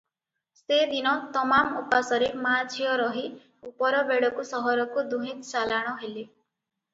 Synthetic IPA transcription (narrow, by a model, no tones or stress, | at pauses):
sed̪inɔt̪ɔmamupasɔɾemad͡ʒʱʰijɔɾɔɦi | upɔɾɔbeɽɔkusɔɦɔɾɔkud̪uɦĩt̪t͡ʃalaɽ̃ɔɦeli